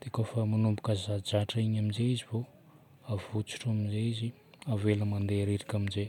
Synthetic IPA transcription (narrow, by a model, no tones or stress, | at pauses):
d̪̥eakofəmanumbukəzad͡ʒaʈ͡ʂaiɲaminzeizivo | avut͡su̥ʈ͡ʂaminzeizi | aveləmand̪eɾeɾikʲaminze